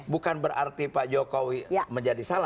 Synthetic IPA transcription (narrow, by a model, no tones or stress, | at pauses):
bukanbəɾart̪ipad͡ʒokowiməɲd͡ʒadisala